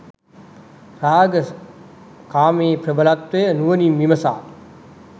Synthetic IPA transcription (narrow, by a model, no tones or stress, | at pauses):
raːɡə | kaːmeːpɾəbəlat̪ʋəjənuʋənimːiməsa̰ː